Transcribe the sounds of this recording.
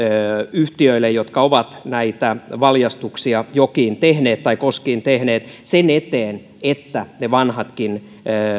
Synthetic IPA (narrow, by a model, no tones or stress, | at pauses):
øyht̪iøilːejjot̪kɑoʋɑt̪næit̪æʋɑljɑst̪uksiɑjokiːnt̪ehneːt̪t̪ɑikoskiːnt̪ehneːt̪senet̪eːn | et̪ːæneʋɑnhɑt̪kinː